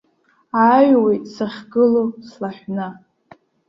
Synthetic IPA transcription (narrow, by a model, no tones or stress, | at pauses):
aːɥwejtʼsaχʲɡɨloslaħʲna